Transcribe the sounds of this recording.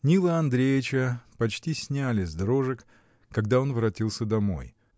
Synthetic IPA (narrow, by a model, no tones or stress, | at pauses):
nʲilˠəɐnd̪ɾʲejɪt͡ɕəpɐt͡ɕtʲisʲnʲalʲɪzd̪ɾo̞ʐɨk | kɐɡd̪ao̞nvɾɐtʲilˠsʲəd̪ɐmo̞̰j